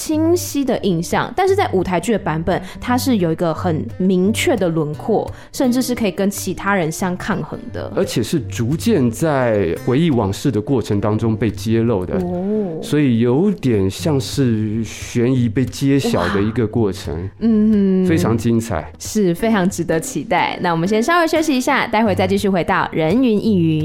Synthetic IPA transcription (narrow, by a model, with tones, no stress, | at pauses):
t͡ɕʰi˥ŋɕi˥d̪ə˨ʔi˥˧ŋɕjɑ˥˨˩ŋt̪a˥˧nʂɻ̩˥˧˩t͡sa˥˩ɪu˨˩t̪ʰa˧˥ɪt͡ɕy˥˩d̪ə˩pa˧˥npə˨˩nt̪ʰa˥ʂɻ̩˥˩jo˨˩ʊi˧˥ɡə˧xə˨˩nmi˧˥ŋt͡ɕʰɥɛ˥˩d̪ə˩lwə˧˥nkʰwɔ˥˩ | ʂə˥˧nʈ͡ʂɻ̩˥˧ʂɻ̩˥˩kʰɤ˧˥i˨˩kə˥nt͡ɕʰi˧˥t̪ʰa˥ɻə˧˦nɕjɑ˥ŋkʰa˥˩nxɤ̰˧˥ŋd̪ə̰˧ə˞˧˥t͡ɕʰjɛ˨˩ʂɻ̩˥˩t͡su˧˥t͡ɕjɛ˥˧nt͡sa˥˩ɪxwe˧˥ɪi˥˩wɑ˨˩ŋʂɻ̩˥˩d̪ə˩kwɔ˥˩ʈ͡ʂʰɤ˧˥ŋt̪ɑ˥ŋʈ͡ʂʊ˥ŋpe˥˩ɪt͡ɕjɛ˥lo˥˩ʊd̪ə̰˦swɔ˧˥i˨˩jo˧˥ʊt̪jɛ˨˩nɕjɑ˥˧ŋʂɻ̩˥˩ɕɥɛ˧˥ni˧˥pe˥˩ɪt͡ɕjɛ˥ɕjɑ˨˩ʊd̪ə˦i˧˥ɡə˧kwɔ˥˩ʈ͡ʂʰə̰˧˥ŋn̩˥˩fe˥ɪʈ͡ʂʰɑ˧˥ŋt͡ɕi˥ŋt͡sʰa̰˨˩ɪʂɻ̩˥˩fe˥ɪʈ͡ʂʰɑ˧˥ŋʈ͡ʂɻ̩˧˥t̪ɤ˧˥t͡ɕʰi˧˥t̪a˥˩ɪna˥˩wɔ˨˩mə˦nɕjɛ˥nʂɑ˥ʊwe˧˥ɪɕjo˥ʊɕi˧i˧˥ɕja˥˩t̪a˥˧ɪxwɪt͡sa˥˧ɪt͡ɕi˥˧ɕy˥˩xwe˧˥ɪt̪ɑ˥˩ʊɻə˧˦˥ny˧˥nʔi˥˩y˧˥˦